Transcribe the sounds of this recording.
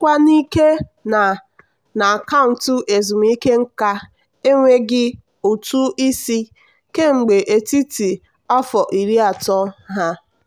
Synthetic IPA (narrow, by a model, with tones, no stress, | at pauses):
kʷa˦ni˦ke˦na˨ | na˨ka˦˨n̩˨tʊ˦ʔe˨zu˨m˦i˦ke˦ŋ̩˦ka˦ | e˦ŋʷe˦ɡɪ˦ | u˨tu˦i˦si˦ | ke˦ŋ͡m̩˨ɡ͡be˨ʔe˨ti˦ti˨ | ɔ˦fɔ˨ʔi˨ɾi˦a˨tɔ˦ɦa˦